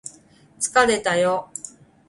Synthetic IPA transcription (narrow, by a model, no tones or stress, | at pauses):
t͡sɨ̥kaɾe̞t̪ajo